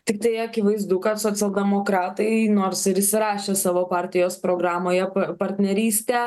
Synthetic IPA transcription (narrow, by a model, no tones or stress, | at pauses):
t̪ʲɪkt̪ɐɪɐkʲɪʋɐɪzd̪ukɐt̪soːsʲɛlˠʲd̪ʲɛmoːkɾɑːt̪ɐɪnoːɾsɪɾɪʃsʲɪɾɑːʃʲeːsɑːʋoːpɑːɾʲt̪ʲɪjoːspɾoːɡɾɑːmoːjɛpɐpɐɾʲt̪ʲnʲɛɾʲiːsʲt̪ʲɛː